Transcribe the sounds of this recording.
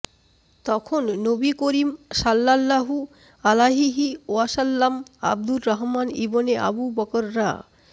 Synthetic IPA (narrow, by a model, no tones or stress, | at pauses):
t̪ɔkʰonːobikoɾimʃalːalːaɦu | alaɦiɦioaʃalːama̰b̚d̪ulɾaɦmanḭboneʔa̰bubɔkoɾːa̰